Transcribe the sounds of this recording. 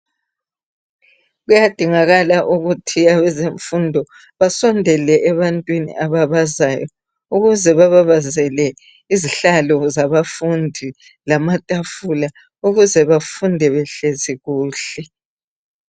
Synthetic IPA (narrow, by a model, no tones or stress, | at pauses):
ɣujad̥ʱiŋaɣalaʔuɣutʰiaβɛzeɱfundʱɔ | βasɔndʱɛlɛʔɛβantʼwinḭʔaβaβazajɔ | uɣuzɛβaβaβazɛlɛ | iziɬalɔzaβafundʱi | lamatʼafula | uɣuzɛβafundʱɛβɛɬeziɣuːɬɛ